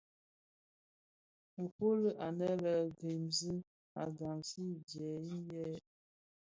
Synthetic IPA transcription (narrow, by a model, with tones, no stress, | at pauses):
m̩˨po˦lə˦ʔa˨nɛ˦lə˨ɡe˨mzə˦ | a˨ɡa˨msi˦d͡ʒjɛ˨i˦jɛ˦